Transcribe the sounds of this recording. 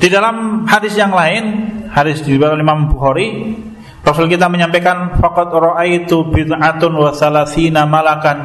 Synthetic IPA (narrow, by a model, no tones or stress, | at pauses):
d̥idalamhadɪsjaŋlaɪnhadɪsdiibat̪alimambuxaɾi | rɔsʊlkit̪aməɲampekanfaqɔt̪̚rɔʔajt̪ubɪd̪ʕat̪ʊnwaθalaθinamalakan